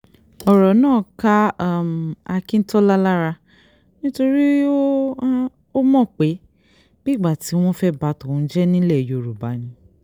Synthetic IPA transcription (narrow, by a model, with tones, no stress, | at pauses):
ɔ˨ɾɔ˨˦nãː˦˨ka˦˨m˨a˧kĩ˦n̩˦tɔ˦la˦la˦ɾa˧ | nĩ˦to˧ɾi˦o˦ | o˦mɔ̃˦˨k͡pe˨˦ | b̥i˦˨ɡ͡ba˨ti˨˦w̃ɔ̃˦fɛ˦ba˨˧tɔ˨ũ˨˧˦d͡ʒɛ˦nĩ˦lɛ˦˨jo˨ɾu˨ba̰˨˦nĩ˧